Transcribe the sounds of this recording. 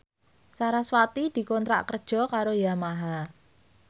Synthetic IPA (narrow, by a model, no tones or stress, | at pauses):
saɾaswat̪id̪̥i̤kɔnt̪ɾa̰ʔkərd̥ʒ̥ɔ̤kaɾojamaɦa